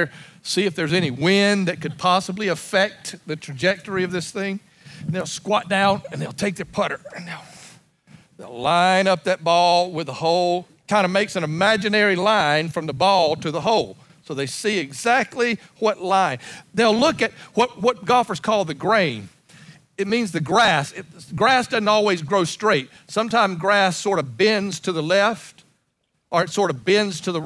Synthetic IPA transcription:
siɨfðə˞zɛñiwɪ̃nðɨt̚kɨd̚pʰɑsəbliɨfɛk̚t̪ðɨtʰɹ̥ɨd͡ʒɛk̚tə˞iʌvðɪsθɪ̃ŋ | n̩ðeɪlˠskwɑt̚d̥ãʊ̃nɨ̃nðeɪlˠtʰeɪk̚ðə˞pʰʌɾə˞ɨ̃nðeɪlˠ | ðeɪlˠãɪ̃nʌp̚ðɨt̚b̥ɔlˠwɨðəhoʊlˠ | kʰãɪ̃ndɨmeɪksɨ̃nɨmæd͡ʒɨnɛɹilãɪ̃nfɹʌ̃mðəbɔlˠtʰɨðəɦoʊlˠ | soʊðeɪsiɨɡzæk̚tʰˡliwʌtlãɪ̃nðeɪlˠlʊkɨt̚wʌt̚wʌt̚ɡ̥ɑfə˞z̥kʰɔl̚ˠðɨɡɹẽɪ̃n | ɨt̚mĩnzðɨɡɹæsɪtɡɹæsd̥ʌzⁿn̩tɔlˠwizɡɹoʊstɹ̥eɪt̚ | sʌ̃mtʰãɪ̃mzɡɹæsɔɹɾʌvbɛ̃nz̥tʰɨðəlɛft | ʔə˞ɨtsɔɹɾʌvbɛ̃ndz̥tʰɨðə

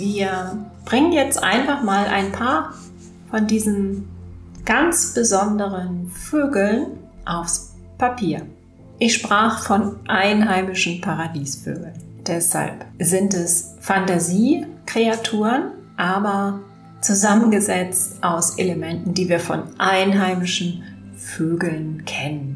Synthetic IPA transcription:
viːɐb̥ʁɪŋənjɛt͡stʔa̰ɪnfaχmaːlʔa̰ɪnpʰaːɐ | fɔndiːzn̩ | ɡ̥ant͡sb̥əzɔndəʁənføːɡl̩n | ʔaʊfs | pʰapʰiːɐ | ʔɪçʃpʁ̥aːχəfɔnʔaɪnɦaɪmɪʃn̩pʰaʁadiːsfø̰ːɡl̩nd̥ɛsha̰lpzɪntɛs | fantaziːkʁ̥eatʰuːʁənʔaːbɐ | t͡suzamənɡəzɛt͡stʔaʊsʔḛləmɛntn̩diːviːɐfɔ̰nʔaɪnɦaɪmɪʃn̩ | føːɡl̩nkʰɛnən

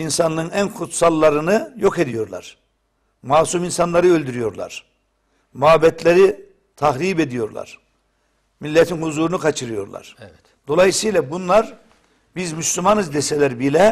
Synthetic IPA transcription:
insanlˠɯɯnænkʰut̪salˠːaɾɯnɯjo̞ke̞d̪ijo̞ɾlˠa̰ɾ̥ | maːsuminsanlˠaɾɯølʲd̪yɾyjo̞ɾlˠa̰ɾ̥ | muabɛt̪ʰlʲeɾi | t̪ʰaɦɾiːbe̞d̪ijo̞ɾlˠa̰ɾ̥ | milʲːɛt̪ʰinhuzuːɾunukʰat͡ʃʰɯɾɯjo̞ɾlˠa̰ɾ̥ | d̪̥o̞lˠajɯsɯjlˠabunlˠaɾ | bizmyslʲumanɯzd̪esɛlʲæɾbilʲɛ

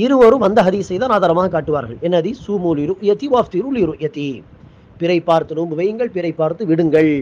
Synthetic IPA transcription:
ɪɾɯʋɐɾɯmʋɐnd̪ɐɦɐðiːsɐɪjðaːnaːðaːɾɐmaːɣɐkaːʈːɯʋaːɾɣɐɭɛnːɐðisuːmuːliɾuʔʊjɐt̪ːiʋaːft̪iɾuliɾuʔjɐt̪ːi | pɪɾɐɪpːaːɾt̪ɯnumɯʋɐjɯŋɡɐɭpɪɾɐɪpːaːɾt̪ɯʋɪɽɯŋɡɐɭ

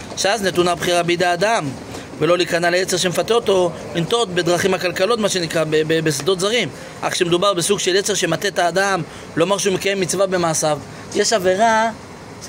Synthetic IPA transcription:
ʃeaznet̪unabχiʁabeid̪ead̪am | velo̞likanaleet͡se̞ʁʃ̬emefat̪eoto̞ | lint̪o̞t̪be̞d̪ʁaχimhakalkalo̞t̪maʃe̞nikʁabebebes̬d̪o̞t̪zaʁim | ʔa̰χʃemed̪ubaʁbesuɡʃelet͡se̞ʁʃemat̪et̪aːd̪am | lomaʁʃeumekaje̞mːit͡svabe̞maːsav | jeʃave̞ʁa

